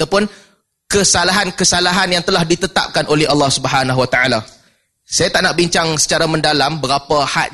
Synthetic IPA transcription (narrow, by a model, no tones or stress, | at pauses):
t̪awpʊn | kəsalaɦankəsalaɦanjaŋt̪əlahdit̪ət̪a̰p̚kanʔolɛhɦalːɑhsubəɦanaɦwat̪aala | sajat̪aʔnaʔbiɲt͡ʃaŋsə̥t͡ʃaɾamə̃ndalambəɾapahat̪̚